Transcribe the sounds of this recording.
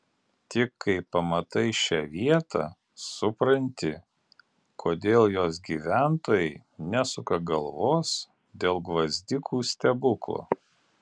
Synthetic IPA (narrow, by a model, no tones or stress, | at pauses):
t̪ʲɪkʰːɐɪpɐmɐt̪ɐɪʃʲɛʋʲiɛt̪ɑ̰ | sʊpɾɐnʲt̪ʲɪ | kʰoːd̪ʲeːlˠjoːs̬ɡʲiːʋʲæˑnt̪oːjɛɪ | nʲæsʊkɐɡɐlˠʋoːs | d̪ʲeːlˠɡʋɐzʲd̪ʲɪkʰuːsʲt̪ʲɛbʊklˠo̰ː